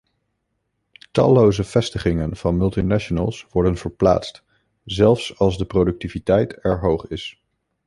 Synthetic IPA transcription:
tɑ̰lowzəv̥ɛstəχɪŋənv̥ɑnmɵlˠtinaʃonə̰lˠsʋɔɹdənv̥əɹpla̰ːtst | zɛlˠfsɑlˠzdəprodɵk̚tivitɛjtɛɹɦowχɪs

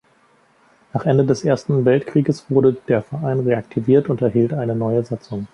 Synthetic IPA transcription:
naːχʔɛndədɛsʔeːɐstn̩vɛltkʁ̥iːɡəsv̥ʊɐɾədeːɐfɛɐʔaɪnʁeak̚tʰiviːɐtʊntɛɐɦiːltʔaɪnənɔʏəzat͡sʊŋ

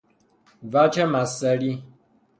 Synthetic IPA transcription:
vat͡ʃɛmasəɾi

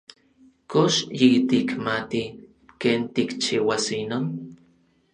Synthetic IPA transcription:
koʃjit̪ikmat̪i | keːnt̪ikt͡ʃiwasinon

